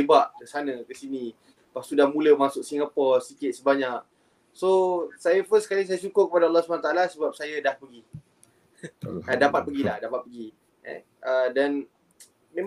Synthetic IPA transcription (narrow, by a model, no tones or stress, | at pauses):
ebaʔkəsanə̃kəsinĩ | past̪udahmũləmasʊk̚siŋapɔsikɪt̪̚səbaɲak̚ | sosajafəskalɪŋs̬ajasukʊrkəpadaɑlːɑhsupanat̪aalasəbap̚sajadahpəɡi | ədapat̪̚pəɡilahdapat̪̚pəɡi | ɛ̰ | ʔədan | mẽm